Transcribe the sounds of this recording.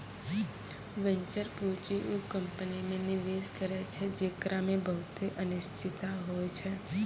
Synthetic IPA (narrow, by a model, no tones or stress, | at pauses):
ʋəɲt͡ʃəɾput͡ʃiʔukəmpənimẽniʋeskəɾet͡ʃʰed͡ʒekɾʔamebʱəwt̪eʔənɪʃt͡ʃit̪aɦojt͡ʃʰe